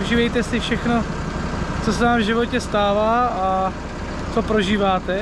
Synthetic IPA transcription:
ʒiːvɛjt̪ɛsɪfʃɛxno̞ | t͡so̞sɛnaːmvʒɪvo̞cɛst̪aːvaːa | t͡so̞pɾoʒiːvaːt̪ɛ

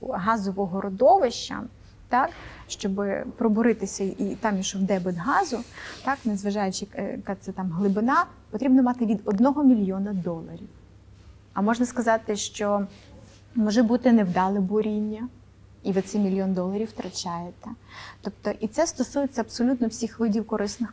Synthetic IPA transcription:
ɦɑzɔʋɔɦɔɾʔɔd̪ɔʋɪʃt͡ʃːɐ̰ | t̪ɑkʃt͡ʃɔbɪpɾɔbɔɾɪt̪ɪsʲɐit̪ɑmjiʃɔwd̪ɛbɪd̪ɦɑzʊt̪ɑknezʋɐʒɑjʊt͡ʃɪjɐkɑsɛt̪ɑmɦlˠɪbɪnɑ | pɔt̪ɾʲibnɔmɑt̪ɪʋʲid̪ɔd̪nɔɦɔmʲilʲjɔnɐd̪ɔlˠɐɾʲiw | ɐmɔʐnɐskɐzɑt̪ɪʃt͡ʃɔ | mɔʒɛbut̪ɪnewd̪ɑlˠɪbɔɾʲinʲːɐ | iʋɪt̪sɛjmʲilʲjɔnd̪ɔlˠɐɾʲiwt̪ɾɐt͡ʃʲɑjet̪ɛt̪ɔp̚t̪ɔʔit̪sɛst̪ɔsujet͡sʲːɐɐbpsɔlʲut̪nɔwsʲixʋɪdʲiwkɔɾɪsnɪx

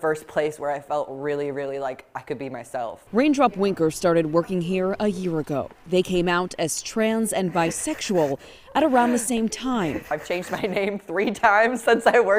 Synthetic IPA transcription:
fɜ˞spʰl̥eɪswə˞aɪfɛlˠt̚ɹɪlˠiɹɪlˠilaɪkʔaɪkɨd̚bimaɪsɛ̰lˠfɹẽɪ̃ndɹɑpwɪ̃ŋkə˞stɑɹɾɨd̚wɜ˞kɪ̃ŋɦiɹəjɪɹɨɡoʊðeɪkʰẽɪ̃maʊɾɨz̥tʰɹ̥æ̃nzɨ̃nvaɪsɛkʃul̩ˠ | ʔɨɾə˞ãʊ̃nðɨsẽɪ̃mtʰãɪ̃maɪv̥t͡ʃʰẽɪ̃nd͡ʒdmaɪnẽɪ̃mθɹitʰãɪ̃mz̥sɪ̃nsaɪwɜ˞

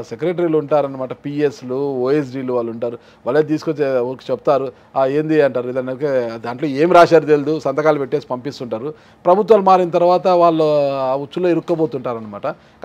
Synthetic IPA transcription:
sekɾeːʈ̬ɐɾiːlouɳʈaːɾɐnːɐmaːʈɐpiːesluoːes̬ɖiːluʋaːlːuɳʈaːɾu | ʋɐɭːet̪̬iːsu̥kot͡ʃːeɐɾku̥t͡ʃebut̪aːɾu | ae̞ːnd̪iɐɳʈaːɾuid̪ɐnɐked̪aːɳʈlo̞ːe̞ːmiɾaːʃaːɾt̪eld̪usɐnd̪ɐkaːlupeʈːe̞ːsi̥pɐmpist̪uɳʈaːɾu | pɾɐbʱut̪̬ʋaːlumaːɾinɐt̪̬ɐɾuʋaːt̪ɐʋaːɭːoːut͡ʃːulo̞ːiɾukːɐboːt̪uɳʈaːɾɐnːɐmaːʈɐ | k

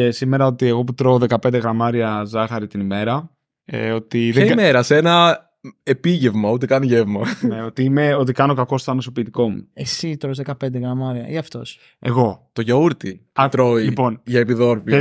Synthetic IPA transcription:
esime̞ɾɐo̞t̪ie̞ɣo̞put̪ɾoːðe̞kɐpe̞nd̪eɣɾɐmɐɾiɐzɐxɐɾit̪inime̞ɾɐ | ḛo̞t̪iðɐimeɾɐsenɐ | epiʝe̞vmɐut̪ekɐnʝevmɐneo̞t̪iimeo̞t̪ikɐno̞kɐko̞st̪oɐnosopiːt̪iko̞mṵesit̪ɾozðekɐpend̪eɣɾɐmɐɾiɐʔiɐft̪o̞s | e̞ɣo̞t̪o̞ʝɐuɾt̪iɐt̪ɾoilipo̞nʝɐepiðo̞ɾfi

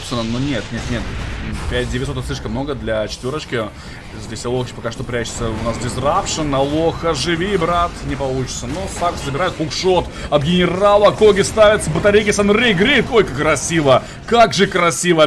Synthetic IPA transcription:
psʲɪnənunʲet̪nʲet̪nʲe̞t̪pʲæt̚ʲd̪ʲevʲtʲsot̪ətslʲiʂkəmːno̞ɡəd̪lʲɐt͡ɕɪt̪vʲo̞ɾət͡ɕkʲɪ | zʲdʲesʲɐlˠoxt͡ɕɪ̥pɐkaʂt̪opɾʲæt͡ɕːɪ̥t̪səʊnaszdʲɪesʲrafʂɨnɐlˠoxəʐɨvʲibɾat̪nʲɪpɐlˠut͡ɕɪ̥t̪sənosakszəbʲɪɾajʊt̪bʊkʂot̪ | ɐb̪ɡʲɪnʲɪralˠəko̞ɡʲɪst̪avʲɪt̪səbət̪ɐɾʲejkʲɪsɐnɾʲejɡɾʲikolʲkəkɾɐsʲivə | kaɡʐɨkɾɐsʲivə

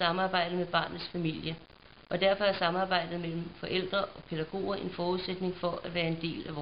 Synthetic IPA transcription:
sɑ̈mɑ̈ːb̥ɑ̈ɪ̰d̥ð̩ˠmeb̥ɑ̈ːnð̩ˠsfæmil̰jə | ʔɒ̽d̥æɐfɒ̽æɐsɑ̈mɑ̈ːb̥ɑ̈ɪ̰d̥ð̩ˠmel̰m̩fɒ̽ʔel̰d̥ʁɐʔɒ̽pʰe̝d̥æɡ̥o̝̰ːɐʔe̝nfɒːuðˠsed̥ne̝ŋfɒ̽ʔæ̥ʋæːɐe̝nd̥e̝̰ːlæʋɒː

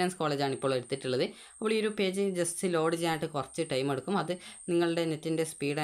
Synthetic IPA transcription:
aːnsko̞ːɭeːd͡ʑaːɳipːo̞ːɭe̞ɽut̪ːiʈːuɭːɐðɨɐpːiɭioɾupe̞ːd͡ʑɨd͡ʑessilo̞ːɽid͡ʑaːjiʈːɨkurɐt͡ɕːɨʈɐjme̞ɽukːumɐðɨniŋːɐɭɨɽe̞ne̞tːinde̞spiːɽa

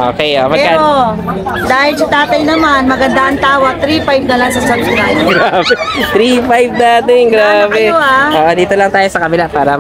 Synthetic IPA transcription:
ʔo̰ːkɛjʔoːmɐɛɡɐo | d̪aːhɪlsɐt̪aːt̪ɐjnɐmanmɐɡɐnd̪aʔɐŋt̪aːwɐɡ̚t̪ɾiːfajb̚nɐlaŋsɐsɐbsɾajɡɾaːbɛt̪ɾifajb̚naːt̪ɪŋɡɾaːbɛoaoːʔod̪iːt̪olɐŋt̪aːjosɐkɐbɪlapaːɾɐ

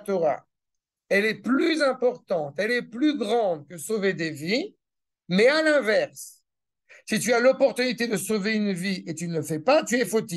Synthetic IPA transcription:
t̪oʁa̰ | ɛlɛplyzɛ̃pɔʁt̪ɑ̃t̪ɛlɛplyɡʁɑ̃d̪kəsoved̪evi | mɛalɛ̃vɛʁs | sit̪yalɔpɔʁt̪ynit̪ed̪əsoveynviet̪ynəfɛpat̪yɛfot̪i

